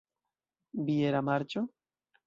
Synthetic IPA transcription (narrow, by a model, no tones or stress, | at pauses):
bieɾamaɾt͡ʃo